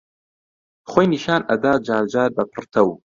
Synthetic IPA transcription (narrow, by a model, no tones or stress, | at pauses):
χʷoːjniʃaːnʔɐd̪aːd͡ʒaːɾd͡ʒaːɾbɐpʰɨrt̪ʰɐw